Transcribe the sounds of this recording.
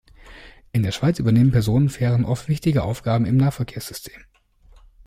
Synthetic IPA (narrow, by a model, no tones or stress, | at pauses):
ʔɪndeːɐʃaɪt͡syːbɐneːmənpʰɛɐzoːnənfɛːʁənʔɔftv̥ɪçtɪɡəʔa̰ʊfɡ̥aːbm̩ɪmnaːfɛɐkʰeːɐsz̥ʏstʰe̥ːm